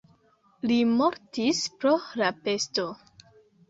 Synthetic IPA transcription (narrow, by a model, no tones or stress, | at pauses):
limo̞ɾtispɾo̞lape̞sto̞